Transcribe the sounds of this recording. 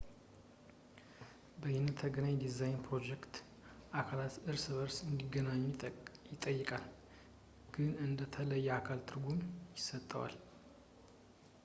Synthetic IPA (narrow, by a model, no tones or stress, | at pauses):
bəjɪnət̪ʰːəɡənaɲd̪izajnpɾo̞d͡ʒekt̪ | ʔakʰalat̪ʔɨɾsɨβəɾsɨnd̪iɡːənaɲːjɪt̪ʼːəjːɨkʼal | ɡ̥ɨnɨnd̪ət̪ʰələjːɛakʰalt̪ʰɨɾɡumjɪsət̪ʼːəwa̰l